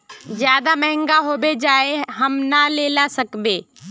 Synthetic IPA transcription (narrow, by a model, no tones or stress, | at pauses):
zjaːd̪amɐɦɪ̃ŋɡaɦoːbed͡ʒaːeɦɐmnaleːlasəkbeː